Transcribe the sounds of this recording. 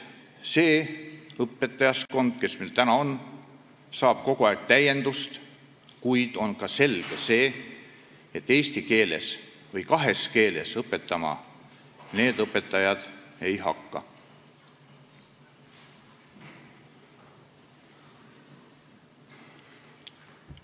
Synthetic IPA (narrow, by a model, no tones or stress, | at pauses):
se̞ːɤpːˑe̞t̪ˑːɑjɑsko̞nd̪̥ke̞smelt̪ænɑon | sɑːb̥̚ko̞ɡ̥uɑeɡ̥̚t̪æje̞nd̪̥ust̪ | kujd̪̥o̞nkɑse̞lɡ̥e̞se̞ː | et̪ːe̞ːst̪ike̞ːle̞̰s | vɤjkɑɦe̞ske̞ːle̞̰sɤpːe̞t̪ːˑɑmɑ̰ | ne̞ːd̪̥ɤpːˑe̞t̪ˑːɑjɑd̪̥e̞jɦɑ̰kːɑ̰